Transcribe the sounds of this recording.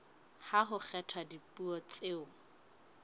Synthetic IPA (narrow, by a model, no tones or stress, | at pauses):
haɦʊk͡xʰɛtʰwadipʼuɔt͡sʼeːʊ